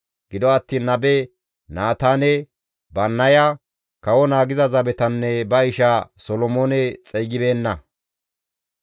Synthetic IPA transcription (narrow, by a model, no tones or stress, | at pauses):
ɡ̥ɪd̪ɔɐt̪ːiːnːɐbɛ | naːt̪aːnɛ | bɐnːɐjɐ | kɐwɔnaːɡɪzɐzɐbɛt̪ɐnːɛbɐɪʃasɔlɔmoːnɛt͡sʼɛjɡɪbe̞ːnːɐ